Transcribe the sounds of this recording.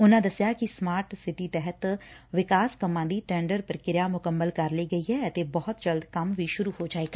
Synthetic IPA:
ʊnãːd̪əsjaːkɪsmaːɾʈsɪʈiːt̪ɛɦət̪ʋɪkaːskəmːãːd̪iːʈɛ̃ːɳɖəɾpɾəkɪɾɪjaːmʊkəmːəlkəɾliːɡəiːɦɛːət̪eːbɔːʊt̪d͡ʒəld̪kəmʋiːʃʊɾuːɦoːd͡ʒaːeːɡaː

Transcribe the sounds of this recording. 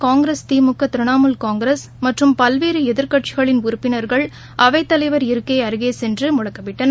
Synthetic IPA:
kaːŋɡɪɾest̪iːmʊkːɐt̪ɪɾɯnaːmɯlkaːŋɡɾes | mɐʈrɯmpɐlʋeːɾɯɛðɪɾkɐʈ̚t͡ʃɪɣɐɭɪnʊɾɯpːɪnɐɾɣɐɭ | ʔɐʋɐɪt̪ːɐlɐɪʋɐɾɪɾɯkːeːɐɾɯɣeːsɛndrɯmʊɻɐkːɐpːɪʈːɐnɐ

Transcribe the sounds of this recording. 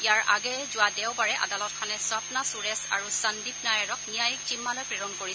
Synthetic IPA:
ijaɹʔa̰ɡɛzʊwadɛwbaɹɛʔa̰dalɔt̚kʰanɛsɔpnasuɹɛsa̰ɹusandip̚najaɹɔknijajik̚zimːalɔjpɹɛɹɔnkoɹi

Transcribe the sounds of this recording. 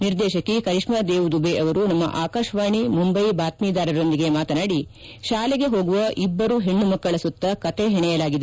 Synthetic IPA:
niɾd̪ɛːʃɐkːikɐɾiʂmaːd̪eːʋud̪ubeʔɐʋɐɾunɐmːɐ̰ʔaːkaːʃɐʋaːɳimumbɐjbaːt̪miːd̪aːɾɐɾo̞nd̪iɡemaːt̪ɐnaːɽi | ʃaːleɡe̞ɦo̞ːɡuʋɐʔibːɐɾuɦeɳːumɐkːɐɭɐsut̪ːɐkɐt̪eɦɛɳɛjɐlaːɡid̪e

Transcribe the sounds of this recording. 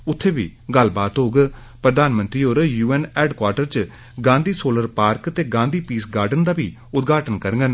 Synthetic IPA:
ʊt̪ʰːeːʋḭːɡəlbaːt̪ɦoːɡ | pɾəd̪aːnmə̃nt̪ɾiːoːɾjuːɛːnɛːɖkwaːɾʈəɾt͡ʃ | ɡãːnd̪iːsoːləɾpaːɾkt̪eːɡãːnd̪iːpiːsɡaːɾɖənd̪aːʋḭː | ʊt̪̚ɡʱaːʈənkəɾŋɡən

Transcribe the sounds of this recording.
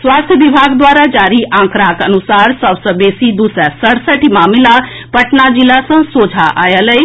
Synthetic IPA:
sʋast̪ʰjəʋibʱaɡd̪ʋaːɾad͡ʒaːɾiʔãːŋkɾakənusaːɾsəbsəbeːsid̪usəsəɽsəʈʰimaːmila | pəʈnad͡ʒilasə̃soːd͡ʒʱaʔa̰jələj

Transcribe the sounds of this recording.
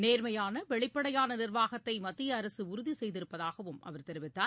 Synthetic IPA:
neːɾmɐjaːnɐʋɛɭɪpːɐɽɐjaːnɐnɪrʋaːɣɐt̪ːɐɪmɐt̪ːɪjɐːɾɐsɯʊɾʊðisɛjðɪɾɯpːɐðaːɣɐʋɯmʔɐ̰ʋɐɾt̪ɛɾɪʋɪt̪ːaː

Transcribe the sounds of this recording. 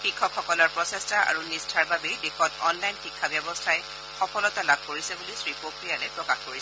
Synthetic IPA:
xikʰːɔkxɔkɔlɔɹpɹɔsɛstaa̰ɹunistʰaɹbabɛdexɔtɔnlajnxikʰːabjɔbɔstʰaj | xɔpʰɔlɔtalab̚ʱkoɹisɛbulisɹipokɹijalɛpɹɔkaxkoɹisɛ

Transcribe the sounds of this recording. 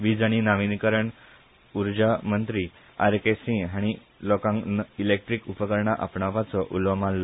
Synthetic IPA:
ʋid͡zaɽ̃inaʋinikəɾəɳ | uɾd͡ʑamənt̪ɾi | a̰ɾkesĩɦaɽ̃i | lokãŋnilek̚ʈɾikupəkəɾɳaʔapɳaʋat͡sɔʔulʋəmalː

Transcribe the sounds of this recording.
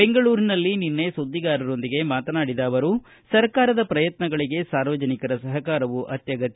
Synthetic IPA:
beŋɡɐɭuːɾinɐlːininːe̞sod̪ːiɡaːɾɐɾo̞nd̪iɡe̞maːt̪ɐnaːɽid̪aːʋɐɾu | sɐɾkaːɾɐd̪ɐpɾɐjɐt̪nɐɡɐɭiɡe̞saːɾʋɐd͡ʒɐnikɐɾɐsɐɦɐkaːɾɐʋuʔɐt̪jɐɡɐt̪

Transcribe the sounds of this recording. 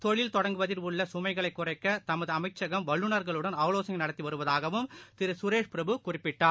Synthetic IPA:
t̪ɔɻɪlt̪ɔɽɐŋɡɯʋɐðɪɾʋɯɭːɐsʊmɐɪɣɐɭɐɪkːʊrɐɪkːɐt̪ɐmɐðɯɐmɐɪt͡ʃːɐɣɐmʋɐɭːɯnɐɾɣɐɭɯɽɐnaːʋloːsɐnɐnɐɽɐt̪ːiʋɐɾɯʋɐðaːɣɐʋɯmt̪ɪɾɯsʊɾeːʂpɪɾɐbɯkʊrɪpːɪʈːaːɾ

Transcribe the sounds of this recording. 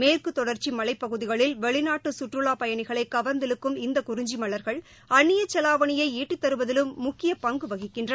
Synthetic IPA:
meːrkɯt̪ːɔɽɐɾt͡ʃimɐlɐɪpːɐɣɯðɪɣɐɭɪlʋɛɭɪnaːʈːɯsʊʈrɯɭaːpɐjɐɳɪɣɐɭɐɪkːɐʋɐɾnd̪ɪlɯkːɯmɪnd̪ɐkʊɾɪɲd͡ʒimɐɭɐɾɣɐɭ | ɐɳːɪjɐt͡ʃːɛlaːʋɐɳɪjɐɪiːʈːit̪ːɐɾɯʋɐðɪlɯmːʊkːɪjɐpɐŋɡɯʋɐɣɪkːɪndrɐ

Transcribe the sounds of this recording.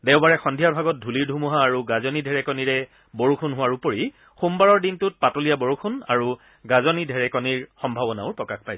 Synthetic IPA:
dɛʊbaɹɛxɔndʱijaɹbʱaɡɔt̚dʱuliɹdʱumuɦaːɹuɡazɔnidʱɛɹɛkɔniɹɛ | boɹukʰunɦʊwaɹupoɹi | xumbaɹɔɹdintʊt̚patolijabɔɹukʰuna̰ɹu | ɡazɔnidʱɛɹɛkɔniɹxɔmbʱabɔnaʊɹpɹɔkaxpajs

